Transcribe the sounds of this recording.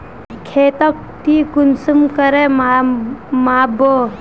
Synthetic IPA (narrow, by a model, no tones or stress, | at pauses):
kʰeːt̪ɐk̚ | ʈ̪ikunsumkɐɾema | maːbo